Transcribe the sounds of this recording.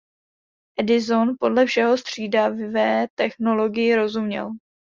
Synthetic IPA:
ʔɛdɪzo̞npo̞dlɛfʃɛɦo̞st̪r̝̥iːdavvɛːt̪ɛxno̞lo̞ɡɪjɪɾo̞zumɲɛ̰l

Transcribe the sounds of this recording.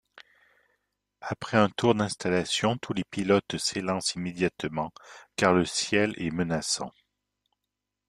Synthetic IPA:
apχɛɛ̃t̪uʁd̪ɛ̃st̪alasjɔ̃t̪ʰulepilɔt̪selɑ̃simed̪jat̪mɑ̃kaʁləsjɛlɛmənasɑ̰̃

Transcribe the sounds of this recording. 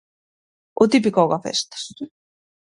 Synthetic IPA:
ot̪ipikawɣafḛst̪ḁs

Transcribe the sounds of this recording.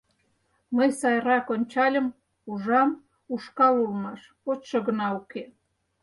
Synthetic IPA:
məjsɑjɾɑkonʲt͡ɕɑlʲə̆m | uʒɑm | uʃkɑlulˠmɑʃ | potʃɤ̆ɣənɑuke

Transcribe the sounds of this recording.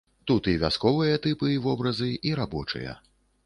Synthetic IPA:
t̪ut̪ivʲa̰skɔvɨjɐt̪ɨpɨvɔbɾɐzɨʔiɾabɔt͡ʂɨ̰jɐ̰

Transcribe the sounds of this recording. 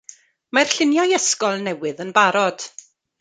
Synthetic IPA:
mar̥ɬɪnjɔjəskɔlˠnɛwɨðənbaɾɔd̥

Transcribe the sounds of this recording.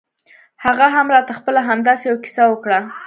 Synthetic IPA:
haɣaɦamɾɑt̪axpəlaɦamd̪ɑsejawakɪ̥sawəkɽa

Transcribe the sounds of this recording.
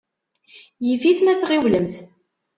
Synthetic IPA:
jiviθmæθʁiwləmθ

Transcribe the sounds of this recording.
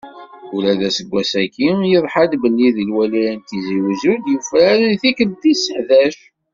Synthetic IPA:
ulæðæsəɡʷːæsækːijiðˤħad̪bəlːiðilwæliɾænt̪iziwzud̪jufɾæɾənθikəld̪isːəħðæʃ

